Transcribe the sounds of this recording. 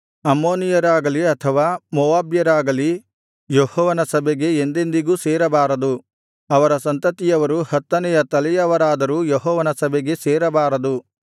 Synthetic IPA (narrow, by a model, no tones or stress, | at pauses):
ɐmːoːnijɐɾaːɡɐliɐt̪ʰɐʋaːmɔʋaːbjɐɾaːɡɐli | johɔːʋɐnɐsɐbɛɡe̞ːnd̪end̪iɡuːseːɾɐbaːɾɐd̪u | ɐʋɐɾɐsɐnt̪ɐt̪ijɐʋɐɾuhɐt̪ːɐnɛjɐt̪ɐlɛjɐʋɐɾaːd̪ɐɾuːjoɦɔːʋɐnɐsɐbɛɡe̞seːɾɐbaːɾɐd̪u